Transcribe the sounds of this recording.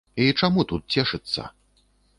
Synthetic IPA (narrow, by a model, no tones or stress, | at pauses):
it͡ʂamut̪ut̪̚t͡sʲɛʂɨt̪sːɐ̰